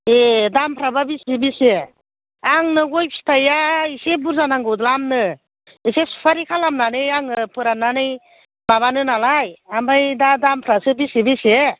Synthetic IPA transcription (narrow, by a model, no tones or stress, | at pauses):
edampʰɾababisebise | aŋnɯɡɔjpʰi̥stʰajaisebuɾzanaŋɡɯwd̪lamnɯ | isesu̥pʰaɾikʰalamnanɯjaŋɯpɯɾananɯj | baβanɯnalajambajdadampʰɾasɯbisebise